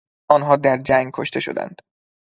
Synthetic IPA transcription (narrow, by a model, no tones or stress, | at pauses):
ɒːnɦɒːd̪æɾd͡ʒæŋɡ̚kʰo̰ʃt̪e̞ʃo̞̰d̪æ̰nd̪̥